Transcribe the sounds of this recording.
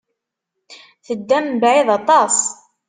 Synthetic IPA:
θəd̪ːæmbʕiðɑt̪ˤɑsˤ

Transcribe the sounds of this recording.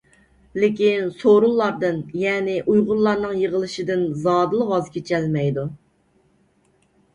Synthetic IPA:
lɪkʲinsoɾulˠːɑɾd̪ɨnjɛːnɪʔujʁʊɾlˠɑɾnɨŋjəʁəlˠɨʃid̪ɪnzɑːd̪ɨlˠəʁɑzkʲʰet͡ʃʰɛlmɛjd̪u

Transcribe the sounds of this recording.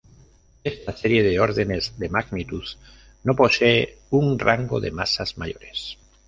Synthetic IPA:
est̪aseɾjeðeoɾðenezðemaɣnit̪uð | noposeeuŋraŋɡo̰ðḛma̰sazmaʎoɾes

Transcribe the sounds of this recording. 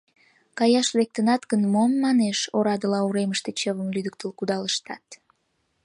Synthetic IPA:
kɑjɑʃlek̚t̪ənɑt̪ɡənmomːɑneʃoɾɑd̪əlɑuɾeməʃt̪et͡ɕəβəmlyd̪ək̚t̪əlkud̪ɑləʃt̪ɑt̪

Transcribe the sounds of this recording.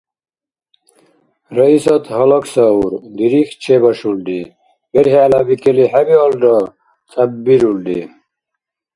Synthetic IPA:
ɾɐisɐt̪ɦɐlɐksɐuɾd̪iɾixt͡ɕʰebɐʂulɖi | beɾɦaːlabikelihɐbiolɖɐ | t͡sʰʼɐbbiɾulɖḭ

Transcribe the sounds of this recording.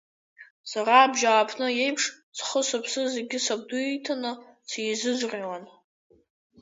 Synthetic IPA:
saɾaːbʒaːpʰnɨje̞jpʰʂ | t͡sʰχəsapʰsɨzeɡʲɪsab̚duitʰanɨ | t͡sʰzɨd͡zʷrʲiwan

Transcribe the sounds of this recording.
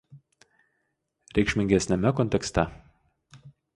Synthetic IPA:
ɾʲɛkʃʲmʲɪŋʲɡʲɛsʲnʲɛmʲɛkɔnʲt̪ʲɛkst̪ɛ

